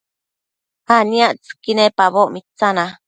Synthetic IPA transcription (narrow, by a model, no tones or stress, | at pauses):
hanĩaʔt͡sɨ̥kinepaβoʔmit͡sana